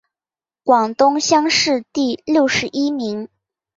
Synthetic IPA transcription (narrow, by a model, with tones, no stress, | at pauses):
kwɑ˨˩ŋt̪ʊ˥ŋɕjɑ˥ŋʂɻ̩˥˧t̪i˥˧ljo˥˩ʊʂɻ̩˧˥ʔi˥mi˧˥ŋ